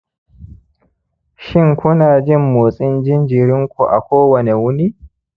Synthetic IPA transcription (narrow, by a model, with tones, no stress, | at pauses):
ʃɪ˦ŋkʷʊ˦naː˨d͡ʒɪ˦˨mːoː˨sʼɪ˦nd͡ʒɪ˦nd͡ʒɪ˨ɾɪ˦ŋkʷu˨ʔa̰˨kʷoː˦wɐ˨ne˨wʊ˦ni˦